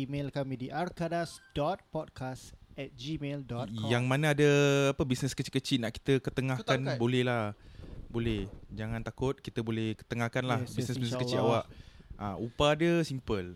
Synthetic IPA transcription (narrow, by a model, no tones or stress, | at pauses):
imelkamĩdiʔarkadasdɔt̪̚pɔd̚kʰasɛt̪̚d͡ʒimeldɔtjaŋmãnaadəapəbisnəskət͡ʃi̥kət͡ʃiʔnaʔki̥t̪əkət̪əŋahkanbolɛhlahbolɛhd͡ʒaŋãnt̪akʊt̪̚kit̪əbolɛhkə̥t̪əŋahkanlabisnəsbisnskət͡ʃiʔawaʔʔʔaupaːdəsimpəl